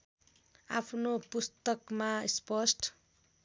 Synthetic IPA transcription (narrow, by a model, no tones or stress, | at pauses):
a̰pʰnopust̪ʌkmaispʌsʈ